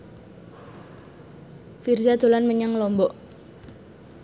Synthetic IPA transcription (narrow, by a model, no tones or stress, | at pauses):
firzad̪o̤lanməɲaŋlɔmbɔʔ